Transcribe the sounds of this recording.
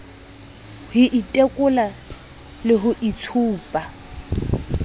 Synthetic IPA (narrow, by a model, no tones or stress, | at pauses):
hɪʔitʼekʼʊla | lɪɦʊʔit͡sʰuːpʼa